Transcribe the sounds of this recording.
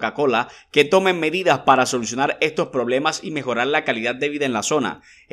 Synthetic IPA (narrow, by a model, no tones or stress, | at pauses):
kako̞lake̞t̪o̞mẽ̞nːe̞ðiðaspaɾaso̞lusjo̞naɾe̞st̪o̞spɾo̞βle̞masime̞xo̞ɾaɾlakaliðad̪̚d̪e̞βiðaenlaso̞na̰